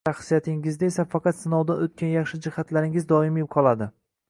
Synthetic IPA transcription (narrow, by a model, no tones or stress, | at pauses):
ʃɑχsijat̪ʰɪŋɪzd̪aesafɑqɑt̪sɪnɒwd̪anot̪̚kʲanjɑχʃɪd͡ʒɪhat̪laɾɪŋɪzd̪ɒɪmep̚qʰɒlˠad̪ɪ